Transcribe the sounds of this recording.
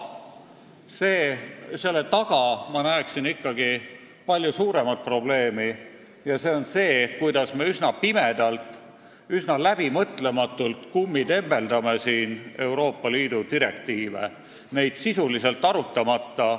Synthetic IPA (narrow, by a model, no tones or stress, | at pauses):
seːse̞lːe̞t̪ɑɡ̥ɑmɑnæeksinikːɑɡi | pɑlʲjusuːɾe̞mɑt̪̚pro̞ble̞ːmi | jɑse̞o̞nse̞ːkujd̪̥ɑsme̞ysnɑpime̞d̪̥ɑlt̪ˑ | ysnɑlæb̥imɤt̪ˑle̞mɑt̪ːˑult̪kumːid̪e̞mːe̞ld̪ɑme̞siːne̞wɾo̞ːpːɑliːd̪̥ud̪iɾe̞̰k̚t̪iːvḛ | ne̞jd̪̥sisulise̞lt̪ːˑɑɾut̪ːˑɑmɑt̪ːɑ